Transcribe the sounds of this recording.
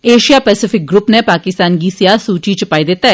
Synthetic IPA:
eːʃijaːpɛːsɪfʰɪk̚ɡɾʊpnepaːkɪst̪aːnɡiːsɪjaːsuːt͡ʃit͡ʃəpaːid̪ɪt̪ːa

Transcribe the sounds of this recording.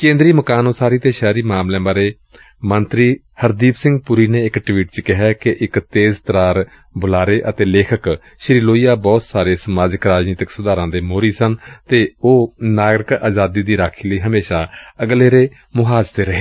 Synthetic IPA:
kẽːnd̪ɾiːməkaːnoːsaːɾiːt̪eːʃɛːɾiːmaːmlẽːbaːɾeː | mənt̪ɾiː | həɾd̪iːpsɪ̃ŋɡpʊɾiːneːɪkʈwiːʈt͡ʃkɪɦɛːkeʔɪkt̪eːzt̪ɾaːɾ | bʊlaːɾeːʔət̪eːleːkʰək | ʃɾiːloːijaːbɔːt̪saːɾeːsəmaːd͡ʒəkɾaːd͡ʒniːt̪ɪksʊd̪aːɾãːd̪eːmoːɾiːsənt̪eːoːnaːɡɾɪkaːd͡ʒaːd̪iːd̪iːɾaːkʰiːləiːɦəmeːʃaːəɡleːɾeː | mʊɦaːd͡ʒt̪eːɾəɦeː

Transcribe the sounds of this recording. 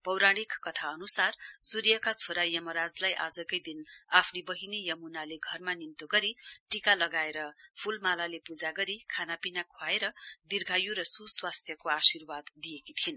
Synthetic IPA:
pʌwɾaɽ̃ikːʌt̪ʰaʌnusarsuɾjʌkat͡sʰoɾajʌmʌɾad͡zlajʔa̰d͡zʌkʌjd̪inapʰnibʌɦinejʌmunaleɡʱʌrmanimt̪oɡʌɾiʈikalʌɡaeɾʌpʰulmalalepud͡zaɡʌɾikʰanapinakʰwaeɾʌd̪irɡʱajuɾʌsuswast̪ʰjʌkoasirbad̪ːijekit̪ʰin

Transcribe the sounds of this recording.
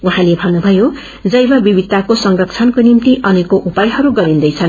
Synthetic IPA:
uɦãlebʱʌnnubʱʌjo | d͡zʌjbʌbibid̪̚tːakosʌŋrʌk̚t͡sʰʌnkonimt̪iʔʌnekoʔupajɦʌɾuɡʌɾind̪ʌjt͡sʰʌn

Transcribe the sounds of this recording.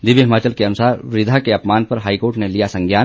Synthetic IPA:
d̪ɪʋjiɦɪmaːt͡ʃəlkeɐnʊsaːɾʋɾɪd̪ʱakeɐpmaːnpɐɾɦaːikoːɾʈnelijasɐ̃ŋɡjaːn

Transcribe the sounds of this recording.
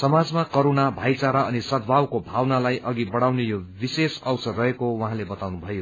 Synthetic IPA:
sʌmad͡zmakʌɾonabʱajt͡saɾaʌnisʌd̪̚ʱbʱawkobʱawnalajʔʌɡibʌɽawnejobisesʌwsʌdrʌɦekowaɦãlebʌt̪awnubʱʌjo

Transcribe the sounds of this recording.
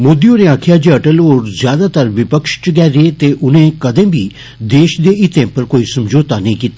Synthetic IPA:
moːd̪ijõnẽãːkʰɪjaːd͡ʒeəʈəloːɾzjaːd̪aːt̪əɾʋɪpəkʃt͡ʃɡɛːɾeːt̪eːʔʊnẽːkəd̪ẽːbʱiː | d̪eːʃd̪eːɪt̪ẽːpəɾkoːisəmd͡ʒoːt̪anəĩːkiːt̪aː

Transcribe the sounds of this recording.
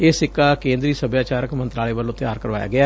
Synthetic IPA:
eːsɪkːaːkẽːnd̪ɾiːsəbjaːt͡ʃaːɾəkmənt̪ɾaːleːʋəlõːt̪ɪjaːɾkəɾʋaːja̰ːɡɪaː

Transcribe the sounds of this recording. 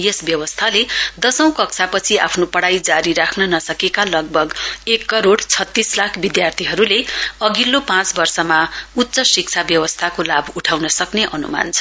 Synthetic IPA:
jesbjʌwʌst̪ʰaled̪ʌsʌ̃w̃kʌk̚t͡sʰapʌt͡sʰia̰pʰnopʌɽajd͡zaɾiɾakʰnʌnʌsʌkekalʌɡ̚bʱʌɡekːʌɾoɽt͡sʰʌt̪ːislakʰbid̪jart̪ʰiɦʌɾuleʌɡilːopãt͡sbʌrsʌmaut̪ːsʌsik̚t͡sʰabjʌwʌst̪ʰakolabuʈʰawnʌsʌkneʔʌnṵma̰nt͡sʰʌ

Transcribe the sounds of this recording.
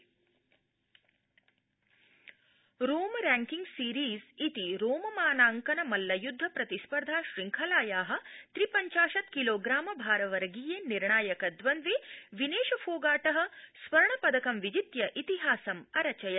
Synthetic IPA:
ɾoːmɾaːŋkiŋɡsiːɾiːzit̪iɾoːmɐmaːnaːŋkɐnɐmɐlːɐjud̪ʱːɐpɾɐt̪ispɐɾd̪ʱaːʃɾiŋkʰɐlaːjaːɦɐ̆t̪ɾipɐɲt͡ʃaːʃɐt̪kiloːɡɾaːmɐbʱaːɾɐʋɐɾɐɡijeːniɾɳaːjɐkɐd̪ʋɐnd̪ʋiʋineːʃɐfʰoːɡaːʈɐɦɐ̆sʋɐɾɐɳɐpɐd̪ɐkɐmʋid͡ʒit̪jɐʔit̪iɦaːsɐmɐɾɐt͡ʃɐjɐ

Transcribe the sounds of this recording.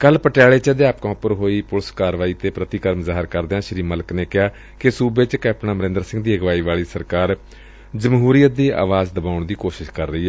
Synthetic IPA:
kəlpəʈɛːɭeːt͡ʃəd̪eaːpkɔ̃ːpəɾɦoːiːpʊlskaːɾʋaːiːt̪eːpɾət̪ɪːkəɾəmzaːɦɪɾkəɾd̪eãːʃəɾiːmələkneːkɪjaː | kɪsuːbeːt͡ʃkɛːp̚ʈnaːməɾɪ̃ːnd̪əɾsɪ̃ŋɡd̪iːəɡʋaːiːʋaːɭiːsəɾkaːɾ | d͡ʒəmɦuːɾijət̪̚d̪iːʔa̰ːʋaːzd̪əbaːʊɳd̪iːkoːʃɪʃkəɾːəiːɦɛː

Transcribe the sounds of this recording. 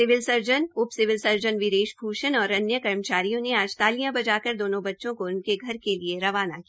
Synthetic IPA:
sɪʋɪlsɐɾd͡ʒənʊpsɪʋɪlsɐɾd͡ʒənʋɪɾeːʃpʰuːʃənɔːɾɐnjəkɐɾmət͡ʃaːɾijõneaːd͡ʒt̪aːlijãbɐd͡ʒaːkəɾd̪oːnõbɐtːʃõkoʊnkeɡʱɐɾkelieɾɐʋaːnakia

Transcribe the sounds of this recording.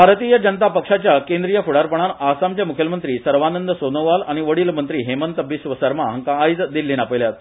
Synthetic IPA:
bʱaɾt̪iːjəd͡ʑənət̪apəkʂat͡ɕjakẽnd̪ɾijəfuɽaɾpəɳ̃anasamt͡ɕjamukʰjəmənt̪ɾiːsəɾʋanənd̪əsonəʋalaɽ̃iʋəɽiːlmənt̪ɾiːɦemənt̪əbːisʋəsəɾmaɦəŋkaːjd͡zd̪ilːinapəjljat̪

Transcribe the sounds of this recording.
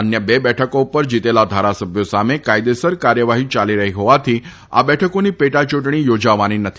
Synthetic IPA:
ənjəbebɛʈʰəkoupəɾd͡ʑit̪elad̪ʱaɾasəbʱjosamekajd̪esəɾkaɾjəʋaɦiːt͡ɕaliɾəɦiɦoʋat̪ʰiː | a̰bɛʈʰəkoniːpeʈat͡ʃuʈɳiːjod͡ʑaʋañiːnət̪ʰi

